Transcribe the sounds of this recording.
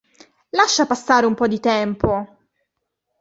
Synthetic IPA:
laʃːapasːaːɾeumpɔd̪ːit̪ɛmpo

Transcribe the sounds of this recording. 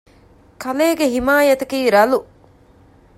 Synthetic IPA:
kʰɐleːɡeɦimaːjɐt̪ɐkiːɾɐlu

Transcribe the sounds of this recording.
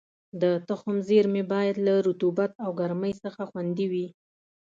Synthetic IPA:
d̪ət̪əxʊmzeɾmebɑjad̪laɾut̪ubat̪̚awɡaɾməjsəxaxwand̪iwi

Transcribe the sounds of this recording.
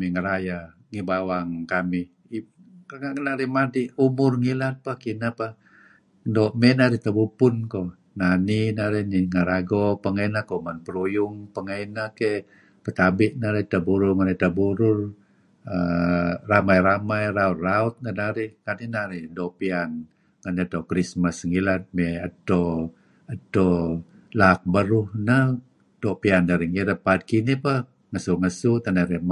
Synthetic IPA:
amiŋəɾaja | ŋibawaŋkamih | i | anaɾihmadiumʊrŋilat̪̚pahkinapah | doʔmɛnaɾiht̪abupʊnko | naninaɾɛhniŋəɾaɡɔpəŋainakomanpəɾujʊŋpəŋajnakɛ | pət̪abɪʔ̚naɾiht̪abuɾʊmanit̪abuɾʊr | əramajɾamajɾaut̪̚raut̪̚nədaɾihkaninaɾihdoʔpian | ŋanet̪okɾismasŋilat̪̚meət̪o | ət̪o | lak̚bəɾʊhnə | d̥oʔpiandaɾihŋiɾat̪̚paːd̪̚kinipəh | ŋəsuŋəsut̪anaɾih

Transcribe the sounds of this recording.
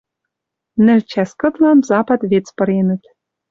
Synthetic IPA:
nɘ̆lʲt͡ɕæskɤ̆t̪lɑnzɑpɑt̪βet͡spɤ̆ɾenɘ̆t̪

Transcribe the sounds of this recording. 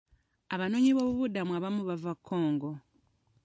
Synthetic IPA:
aβano̞ɲiβo̞ːβuβudamuaβamuβavakʰːo̞ːŋɡo̞

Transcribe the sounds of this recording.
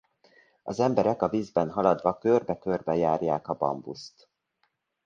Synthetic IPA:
ɒzɛmbɛɾɛkɒviːzbɛnɦɒlɒd̪vɒkørbɛkørbɛjaːrjaːkɒbɒ̰mbṵst̪

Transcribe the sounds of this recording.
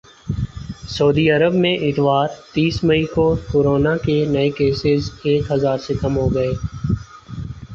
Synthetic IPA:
soːd̪iɐɾəbmẽʔɪt̪ʋaːɾt̪iːsmɐikokoːɾoːnakenɐekeːsɪzeːkɦɐzaːɾsekɐmɦoɡɐeː

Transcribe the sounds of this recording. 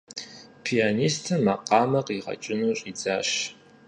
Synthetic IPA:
pʰijaːniːstʰɐmɐqɑːmɐqiːʁɐ̰t͡ʃʼɪnuːɕʼiːd͡zaːʃ

